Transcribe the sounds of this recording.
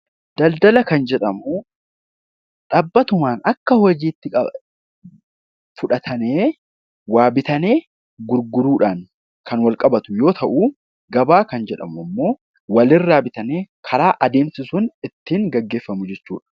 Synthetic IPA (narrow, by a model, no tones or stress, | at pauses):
d̪̥ɐld̪ɐlɐkɐnd͡ʒɛᶑɐmʊ | ᶑaːbːɐt̪ʊmaːnɐkːɐhɔd͡ʒiːt̪ːɪkʼɐ | fʊᶑɐt̪ʰɐneː | waːbɪt̪ɐne̞ː | ɡʊɾɡʊɾuːᶑaːŋ | kʰɐnwɐlkʼɐbɐt̪ʊjo̞ːt̪ʰɐʔuː | ɡɐbaːkɐnd͡ʒɛᶑɐ̰mʊɐmːo̞ː | wɐlɪrːaːbɪt̪ɐneːkʰɐɾaːʔɐd̪e̞ːmsɪsʊnɪt̪ːiːŋɡɐɡːe̞ːfːɐmʊd͡ʒɛt͡ʃːuːᶑɐ̥